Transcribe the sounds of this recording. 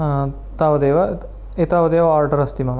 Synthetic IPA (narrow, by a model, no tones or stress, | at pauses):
t̪aːʋɐd̪eːʋɐ | it̪aːʋɐd̪eːʋɐaːɾɖɐɾɐst̪imɐm